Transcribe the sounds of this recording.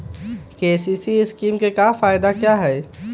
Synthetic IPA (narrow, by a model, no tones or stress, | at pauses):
keːsiːsiɪskiːmkekaːfaːɪd̪akjaːɦɛː